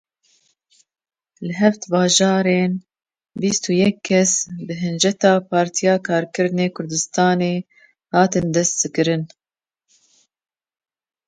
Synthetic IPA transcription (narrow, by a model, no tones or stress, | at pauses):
lɨɦɛft̪bɑːʒɑːɾeːn | bist̪uːjɛkʰːɛsbɨɦɨnd͡ʒɛt̪ɑːpʰɑːɾt̪ʰijɑːkʰɑːɾkɨɾneːkʰʊɾd̪ɨst̪ɑːneː | hɑːt̪ɨnd̪ɛst̪ːɨkɨɾɨn